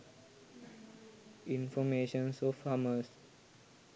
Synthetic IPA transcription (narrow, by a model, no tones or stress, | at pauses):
ĩnfɔmeʃə̃nsɔfːaːməs